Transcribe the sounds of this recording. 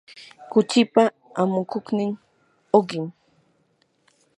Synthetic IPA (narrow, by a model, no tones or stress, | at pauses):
kʊt͡ʃɪpa | amʊkʊknɪŋ | oɢɪm